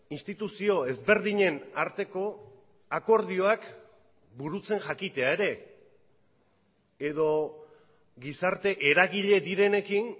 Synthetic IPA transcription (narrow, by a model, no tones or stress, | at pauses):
inst̪it̪usio̞e̞zβe̞ɾðiɲe̞naɾt̪e̞ko̞ | ako̞ɾð̞io̞ak | buɾut͡se̞ŋʝakit̪e̞aeɾe̞ | eðo̞ | ɡisaɾt̪e̞ʔe̞ɾaɣiʎe̞d̪iɾe̞ne̞kin